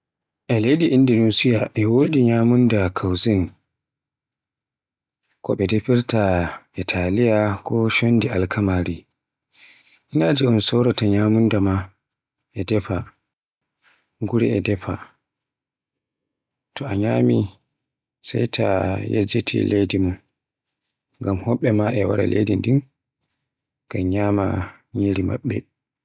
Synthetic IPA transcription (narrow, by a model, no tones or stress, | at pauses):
ʔɛlejdiʔindinusijaʔɛwodiɲaːmundakʰawzin | kɔɓɛdɛpiɾtaʔɛtʰalijakɔʃondiʔalkʰamaɾi | ʔinad͡ʒiɔnsɔwɾataɲamundama | ʔɛdɛɸa | ŋɡuɾɛ̰ɛdɛfa | tɔaɲaːmi | sajtʰajḛd͡ʒetʰḭlejdimun | ɡamhɔɓːɛmaʔɛwa̰ɾa̰lḛjdindin | ɡ̥amɲama̰ | ɲeɾima̰ɓːɛ̰